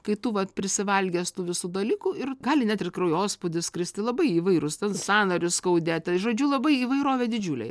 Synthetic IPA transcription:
kɐɪt̪ʊʋɐt̪pʲɾʲɪsʲɪʋɐlʲɡʲeːst̪uʋʲɪsuːd̪ɐlʲiːkuɪrɡɑːlʲɪnʲɛt̪ʲɪrkrɐjoːspʊd̪ʲɪskɾʲɪsʲt̪ʲɪlˠɐbɐɪiːʋɐɪɾʊst̪ʲɛnsɑːnɐɾʲʊsskɐʊd̪ʲeːt̪ʲɛʒoːd͡ʒʲulˠɐbɐɪiːʋɐɪɾoːʋʲɛːd̪ʲɪd͡ʒʲuːlʲɛ̰ɪ

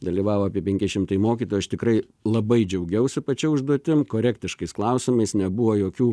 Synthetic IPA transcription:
d̪ɐlʲiːʋɑːʋoːɐpʲiɛpʲɛŋʲkʲɪʃʲɪmt̪ɐɪjmoːkʲiːt̪oːjɐʃt̪ʲɪkɾɐɪ | lˠɐbɐɪd͡ʒʲɛʊɡʲɛʊsʲɪpɐt͡ʃʲɛʊʒd̪uɔt̪ʲɪmkoːɾʲækt̪ʲɪʃkɐɪsklˠɐʊsʲɪmɐɪsnʲɛbʊʋoːjoːkʲuː

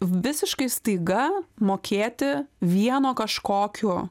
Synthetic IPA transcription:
ʋʲɪsʲɪʃkɐɪst̪ɐɪɡɐmoːkʲeːt̪ʲɪʋʲiɛnoːkɐʃkoːkʲʊ

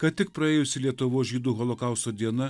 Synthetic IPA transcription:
kɐt̪t̪ʲɪk̚pɾɐeːjʊsʲɪlʲiɛt̪ʊʋoːsʒʲiːd̪uːɣɔlˠokɑˑʊst̪oːd̪ʲiɛnɐ

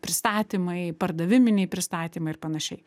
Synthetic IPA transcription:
pʲɾʲɪst̪ɑːt̪ʲiːmɐɪpɐrd̪ɐʋʲɪmʲɪnʲɛɪpʲɾʲɪst̪ɑːt̪ʲiːmɐɪɪɾpɐnɐʃʲɛɪ

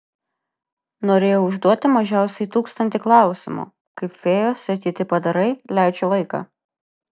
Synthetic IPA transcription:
noːɾʲeːjoʊʊʒd̪uɔt̪ʲɪmɐʒʲæˑʊsʲɛɪt̪uːkst̪ɐnʲt̪ʲɪklˠɑˑʊsʲɪmṵː | kɐɪfʲeːjoːsʲɐt̪ʲiːt̪ʲɪpɐd̪ɐɾɐɪlʲæˑɪt͡ʃʲolˠɐɪkɑ̰ː

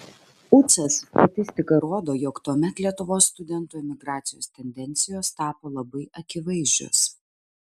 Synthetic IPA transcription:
ʊt̪sɐst̪ɐt̪ʲɪsʲt̪ʲɪkɐɾoɔd̪oːjoːkt̪uɔmʲɛt̪lʲiɛt̪ʊʋoːsːt̪ʊd̪ʲɛnt̪uːɪmʲɪɡɾɑːt̪sʲɪjo̰ːst̪ʲɛnʲd̪ʲɛnʲt̪sʲɪjoːst̪ɑːpoːlˠɐbɐɪʔɐkʲɪʋɐɪzʲd͡ʒʲʊ̰s

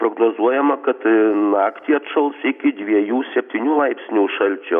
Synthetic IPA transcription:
pɾoɡnoːzuɔjɛmɐkɐt̪nɑːkt̪ʲiːɐt̪ʃɐlˠsɪkʲɪd̪ʲʋʲiɛjuːsʲɛpʲt̪ʲiːnʲuːlˠɐɪpʲsʲnʲuːʃɐlʲt͡ʃʲo

